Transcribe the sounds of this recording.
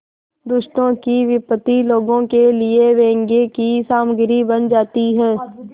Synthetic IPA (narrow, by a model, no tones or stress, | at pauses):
d̪ʊʃʈ̪õkiʋɪpət̪iloːɡõkelɪeʋẽːŋɡekisaːmɡɪɾibənd͡ʒaːt̪iɦɛː